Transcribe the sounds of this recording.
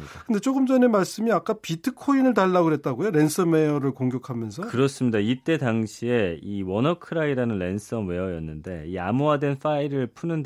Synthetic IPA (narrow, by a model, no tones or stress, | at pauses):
kɯnde̞t͡ɕ͈oɡɯmd͡ʑʌne̞maɭs͈ɯmiak͈apitʰɯkʰoinɯɭtaɭːaɡoɾɦe̞t̚t͈aɡojoɾe̞nsʰɯme̞jʌɾɯɭkoŋɡjʌkʰamjʌnsʰʌkɯɾʌs͈ɯmɲidait͈e̞taŋɕʰie̞iwʌnʌkʰɯɾaiɾanɯnɾe̞ns͈ʰʌmwe̞ʌjʌnːɯnde̞̰iamoadwe̞nfaiɾɯɭpʰunɯnd